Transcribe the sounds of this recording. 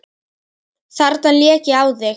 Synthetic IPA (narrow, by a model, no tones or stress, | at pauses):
θaɾt̪anljɛːcɪaːwðɪ